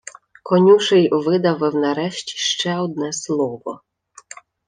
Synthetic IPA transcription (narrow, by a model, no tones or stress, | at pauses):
kɔnʲuʃɛjɔʋɪd̪awɛwnaɾɛʃt͡ɕʲi̥ʃt͡ʃɛɔd̪̚nɛslˠɔbɔ̰